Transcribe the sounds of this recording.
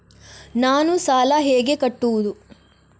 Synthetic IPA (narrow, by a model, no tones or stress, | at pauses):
naːnusaːlɐɦeːɡe̞kɐʈːuʋud̪u